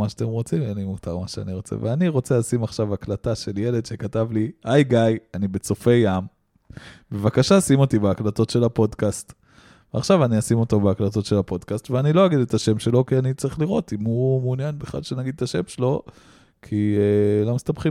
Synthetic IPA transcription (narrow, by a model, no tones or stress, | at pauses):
maʃat̪emʁo̞t͡simenimut͡saʁmaʃeaniʁo̞t͡sḛveaniʁo̞t͡selasimaχʃavaklataʃe̞lje̞ledʃe̞katavliajɡajanibe̞t͡so̞fe̞jːam | be̞vakaʃasimo̞tibeaklato̞tʃe̞lapo̞dkast | veaχʃavaniasimo̞tobeaklato̞tʃe̞lapo̞dkastveanilo̞aɡide̞t̪aʃe̞mʃe̞lo̞kianit͡saʁiχliʁo̞timumeunjanbeχla̰lʃenaɡid̪̚t̪aʃe̞mʃelo̞ | kʰilo̞mist̪abχi